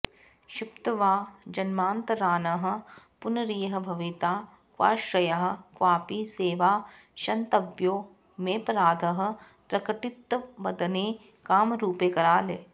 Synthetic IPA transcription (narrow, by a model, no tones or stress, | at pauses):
ʃupt̪ɐʋaːd͡ʒɐnmaːnt̪ɐɾaːnɐɦɐ̆ | pʊnɐɾiːjɦɐ̆bʱɐʋit̪aː | kʋa̰ːʃɾɐjɐɦɐ̆kʋaːpiːseːʋaː | ʃɐnt̪ɐbjoː | meːpɾaːd̪ʱɐɦɐ̆ | pɾɐkɐʈɪt̪ːʋɐd̪əneː | kaːmɾuːpeːkɐɾaːleː